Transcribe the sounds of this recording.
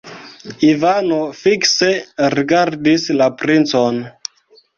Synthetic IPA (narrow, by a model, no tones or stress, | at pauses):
ivanofikseɾiɡaɾdislapɾint͡son